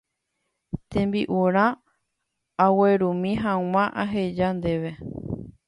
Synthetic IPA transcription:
t̪ẽ̞mbiʔuɾ̃ã | aweɾũmĩɦãw̃ãʔaɦe̞d͡ʒand̪e̞ʋe̞

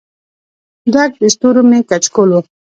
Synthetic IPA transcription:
d̪ak̚bist̪uɾomekat͡ʃkolo

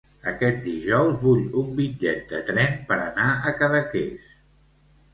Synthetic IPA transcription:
əkɛt̪̚d̪iʒɔwzβuʎumbid͡ʒɛt̪̚d̪ət̪ɾɛnpəɾə̰naəkəðəkḛs

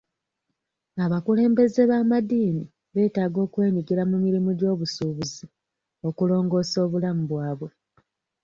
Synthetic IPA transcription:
aβakule̞ːmbe̞ze̞βaːmadiːni | βe̞ːtaːɡo̞ːkwe̞ːɲiɡiɾamumiɾimuɟo̞ːβusuːβuzi | o̞kulo̞ːŋɡo̞ːso̞ːβulamuβwaːβwe̞

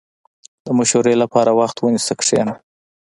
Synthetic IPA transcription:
d̪̥əmʊʃoɾelapɑɾawaxt̪wənisəkʂḛna

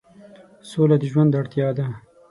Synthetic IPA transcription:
solad̪əʒwand̪aɽt̪jɑːd̪a

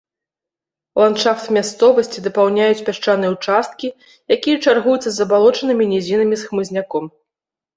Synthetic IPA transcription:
lˠant̪ʂaft̪mʲast̪sɔvɐsʲt͡sʲid̪ɐpawnʲajut͡sʲpʲaʂt͡ʂanɨjɛwut͡ʂast̪̚kʲi | jakʲijɐt͡ʂarɣujut̪sɐzɐbalˠɔt͡ʂɐnɨmʲinʲɛzʲinɐmʲisxmɨzʲnʲakɔm

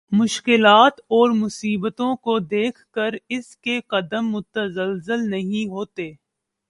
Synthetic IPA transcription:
mʊʃkɪlaːt̪ɔːɾmʊsiːbət̪õkod̪eːkʰkəɾɪskeqɐd̪əmːʊt̪əzəlzəlnɐɦĩɦoːt̪eː

